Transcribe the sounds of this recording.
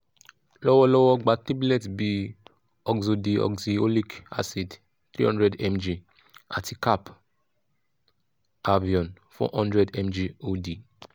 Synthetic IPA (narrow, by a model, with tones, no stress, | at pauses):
lɔ˦wɔ˦lɔ˦wɔ˦ɡ͡ba˨˧ti˦blɛ˦˨tbi˧ | ɔ˨ɡzo˧di˨ɔ̰˨ɡzi˨o˦li˦ka̰˦si˨d | t̪ɾi˦hɔ̃˦ndɾɛ˨dɛ˦md͡ʒi˨ | a̰˨ti˨ka˦p | a˦vi˨ɔ̃˨n | fɔ̰˦hɔ̃˦ndɾɛ˨dɛ˦md͡ʒi˧o˦di˨